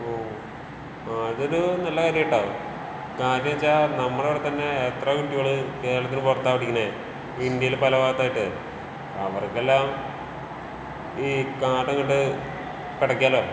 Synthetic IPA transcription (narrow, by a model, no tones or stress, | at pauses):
oː | ðo̞ɾunɐlːɐkaːɾijiʈːaːʋ | kaːɾjɐmit͡ɕːanɐmːɐɭeʋɽet̪ɐnːe̞ːt̪rɐkuʈːiɣoɭɨke̞ːɾɐɭɐt̪ːinɨport̪ːaːʋiʈːikʲːinːe | ind̪jɐjilpɐlɐʋaːɡt̪ːaːjiʈːɨ̰ | ɐʋɐrkːelːaːm | iːkaːʈːɐŋkoɳɖɨ | piɽɐkʲːaːloː